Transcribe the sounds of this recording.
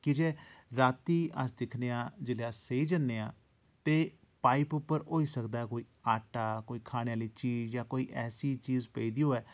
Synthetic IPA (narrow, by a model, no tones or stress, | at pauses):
kɪd͡ʒeːɾaːt̪iːə̰sd̪ɪkʰneːãːd͡ʒɪleːasːeiːd͡ʒənːeːãː | t̪eː | paːipʊpːəɾɦoːiːsəkd̪aːɛːkoːiːaːʈaːkoːiːkʰaːɽ̃eːaːliːt͡ʃiːzjaːkoːiːʔɛːsiːt͡ʃiːzpɛiːd̪iːoːɛː